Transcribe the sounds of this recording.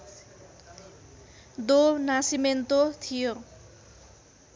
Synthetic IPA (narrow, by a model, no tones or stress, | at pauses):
d̪onasiment̪ot̪ʰijo